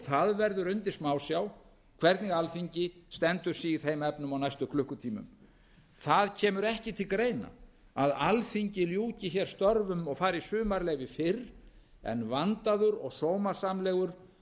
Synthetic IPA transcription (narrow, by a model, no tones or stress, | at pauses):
θaðvɛɾðʏɾʏnt̪ɪsmaːwsjaw | kʰv̥ɛɾt̪niɣalfiɲcɪst̪ɛnt̪ʏɾ̥siːθejmɛpnʏmawnajst̪ʏkʰlʏhkʏt̪ʰiːmʏ̰m | θaðcʰɛːmʏɾɛhcɪt̪ʰɪlkɾeːjna̰ | aðalfiɲcɪljuːcɪçɛɾ̥st̪œɾvʏmɔɣfaːɾisʏːmaɾleːjvɪfɪɾ | ɛ̰nvant̪aðʏɾɔɣsowmaɾ̥samlɛːɣʏɾ̥